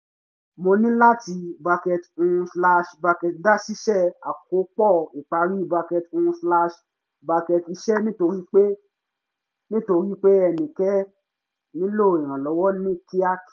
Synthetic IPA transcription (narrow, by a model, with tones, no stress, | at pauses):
mo˧nĩ˦la˦ti˧ba˧kɛ˧to˧ũ˧sla˧ʃba˧kɛ˧tda˦si˦ʃɛ˦˨a˨k̚o˨˦k͡pɔ˦˨i˨k͡pa˧˦ɾi˦ba˧kɛ˧tõ˧˦sla˦˧ʃ | ba˧kɛ˧ti˧ʃɛ˦nĩ˦to˧ɾi˦k͡pe˦ | nĩ˦to˧ɾi˦k͡pe˦ɛ˧nĩ˨kɛ˦ | nĩ˦lo˦˨i˨ɾ̃ã˨lɔ˨˦wɔ˦nĩ˦ki˦a˦k